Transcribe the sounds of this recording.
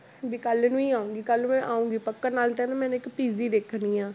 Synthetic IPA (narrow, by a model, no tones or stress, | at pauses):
bikəlnũːiːaːũːɡiːkəlũːmɛ̃ːʔaːũːŋɡiːpəkːənaːlt̪eːnãmɛ̃ːnːɪkpiːziːd̪eːkʰniːãː